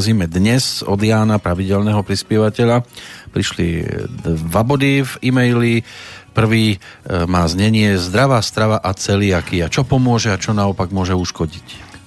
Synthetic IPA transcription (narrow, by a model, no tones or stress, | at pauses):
ziːmɛd̪ɲɛzɔ̰d̪ɪjaːnapɾaʋiɟɛlnɛɦɔpɾispɪɛʋacɛʎapɾiʃli | ʋabɔd̪ivimɛjlipr̩ʋiːmaːzɲɛɲɪɛzd̪ɾaʋaːst̪ɾaʋaʔat͡sɛliakiat͡ʃɔpɔmʊɔʒɛat͡ʃɔnaɔpaɡmʊɔʒɛuʃkɔɟic